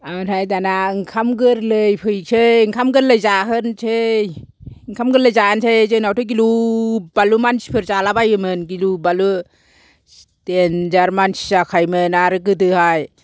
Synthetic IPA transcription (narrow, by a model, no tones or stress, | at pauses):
aɾhajdanaŋkʰamɡɯɾlɯjpʰɯjk̚sʰeŋkʰamɡɯɾləjzaɦɯnsʰej | ŋkʰamɡɯɾləjzaansʰejzɯnawtʰɯɡ̬ilubalumansi̥pʰɯɾzalabajɯmɯnɡilubalu | tend͡ʒaɾmansi̥zakʰajmɯnaɾɯk̬ɯdɯhaj